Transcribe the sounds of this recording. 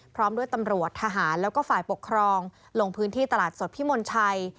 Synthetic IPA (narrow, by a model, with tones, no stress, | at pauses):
pʰɾɔː˦˥mdu˥˩əjt̪a˧mɾu˨˩ət̪ʰːaː˧ɦaː˩˦nlɛː˦˥wkɔː˥˩faː˨˩jpo˨˩kʰːɾɔː˧ŋ | lo˧ŋpʰɯː˦˥nt̪ʰiː˥˩t̪a˧laː˨˩t̪̚so˨˩t̪̚pʰiː˦˥moː˧nt͡ɕʰa˧j